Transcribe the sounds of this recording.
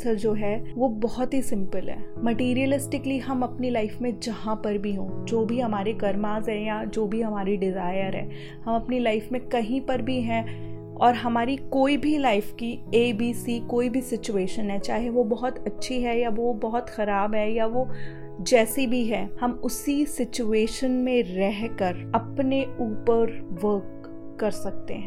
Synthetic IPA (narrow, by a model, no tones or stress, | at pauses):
səɾd͡ʒoːɦɛʋobɔɦɔt̪ɦisɪ̃mpəlɦɛ̰ːmɐʈiːɾijəlɪsʈɪkliɦɐmɐpnilaɪfmẽd͡ʒɐɦãpɐɾbʱiɦõːd͡ʒoːbʱiɦɐmaːɾeɡɐɾmaːzɦɛ̃jad͡ʒoːbʱiɦɐmaːɾiɖɪzaːɪəɾɦɛ̰̃ː | hɐmɐpnilaːɪfmẽkɐɦĩpɐɾbʱiɦɛ̃ | ɔːɾɦɐmaːɾikoːibʱilaɪfkieːbiːsikoːibʱisɪt͡ʃueːʃənɦɛt͡ʃaːɦieʋobɐɦʊt̪ɐtːʃʰiɦɛjaʋobɔɦʊt̪xɐɾaːbɦɛjaʋo | d͡ʒɛːsibʱiɦɛːhɐmʊsisɪt͡ʃueːʃənmẽɾɛɦkəɾɐpneuːpəɾʋəɾkː | ɐɾsɐk̚t̪ḛɦɛ̃ː